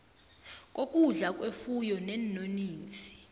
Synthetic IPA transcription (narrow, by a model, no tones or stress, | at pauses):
k̬ʼokʼuɮak̬ʼwefujɔnɛnːoniːnt͡sʰʼi̥